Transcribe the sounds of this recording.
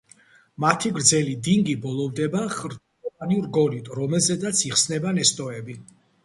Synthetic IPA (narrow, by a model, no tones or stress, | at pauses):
mat̪ʰiɡɾd̪zɛlid̪iŋɡibɔlˠɔvd̪ɛbaχɾ | ɔaniuɾɡɔlit̪ʼɾɔmɛlˠzɛd̪at̪sʰiχsnɛbanɛst̪ʼɔɛbi